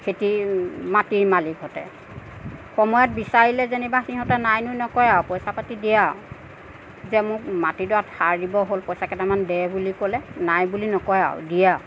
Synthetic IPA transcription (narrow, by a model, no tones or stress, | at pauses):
kʰetimatimalikɦɔtɛ̰ | xɔmɔjɔt̚bisaɹilɛzenibaxiɦɔtɛnajnʊnɔkɔjawpɔjsapatidijaʊ | zɛmʊkmatidɔathaɹdibɔɦolpɔjsakɛtamandɛbulikɔlɛnajbulinɔkɔja̰ʊ̰dija